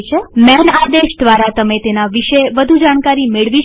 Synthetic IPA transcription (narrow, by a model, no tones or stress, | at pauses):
t͡ʃʰemɛnad̪eʃd̪ʋaɾat̪əmet̪enaʋiʃeʋəd̪ʱud͡ʒaɽ̃kaɾimeɭʋi